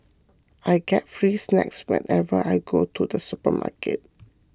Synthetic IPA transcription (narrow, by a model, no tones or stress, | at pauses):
ʔajɡɛtfɹiːsnɛ̰kswɛ̰̃nɛvəʔajɡotʰud̪əsupəma̰kʰət̚